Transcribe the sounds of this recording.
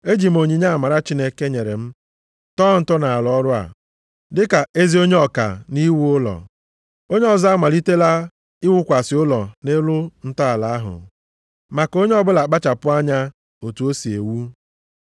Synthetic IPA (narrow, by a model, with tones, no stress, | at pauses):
e˦d͡ʒi˨m̩˨o˨ɲi˨ɲa˦a˨ma˨ɾa˦t͡ʃi˦ne˦ke˦ɲe˨ɾḛ˨m̩˦ | tɔː˦˨n̩˦tɔ˦na˨a˨lɔ˦ɾʊ˦a̰˨ | dɪ˦ka˨e˦zi˦o˦ɲe˦ɔ˨ka̰˨ni˦wu˦ʊ˦lɔ̰˨ | o˦ɲe˦ɔ˨za˦ma˨li˦te˦la˦ | i˦wu˦kʷa˨sɪ˨ʊ˦lɔ˨ne˦lʊ˦n̩˦tɔ˦a˨la˨a˦ɦʊ̰˨ | ma˨ko˦ɲe˦ɔ˦bʊ˦la˨k͡pa˦t͡ʃa˨pʊ˦a˦ɲa˦ | o˨tu˨˦o˦si˨e˨wu˦